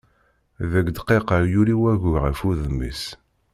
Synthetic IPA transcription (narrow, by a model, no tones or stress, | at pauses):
ðæɡd̪qːeqəɾjuɾiwæʝʊʁəfuðmḭs